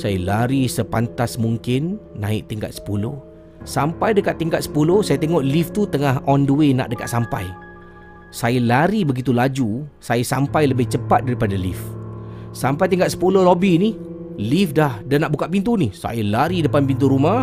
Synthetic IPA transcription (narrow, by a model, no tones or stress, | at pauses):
sajalaɾisəpant̪asmuŋkɪnːã̰ɪ̰k̚t̪iŋka̰t̪̚sə̥puloh | sampajdəkat̪ːiŋkat̪sə̥pulohsajat̪eŋɔʔlift̪ut̪əŋaɦɔndəwena̰ʔdəka̰t̪̚sampa̰j | sajalaɾibəɡit̪ulad͡ʒusajasampajləbɪht͡ʃəpat̪̚daɾipadalḭf | sampajt̪̬iŋkat̪sə̥pulolobini | lifdahdanaʔbukat̪ʔ̚pint̪unihsa̰jalaɾidəpanpint̪̬uɾumah